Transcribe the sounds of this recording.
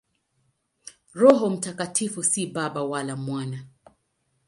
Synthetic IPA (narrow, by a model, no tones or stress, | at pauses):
ɾɔɦɔm̩takatʰifusiɓaɓawalamwana